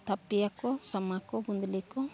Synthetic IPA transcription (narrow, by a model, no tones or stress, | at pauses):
t̪apːijakɔsamakɔbund̪likɔ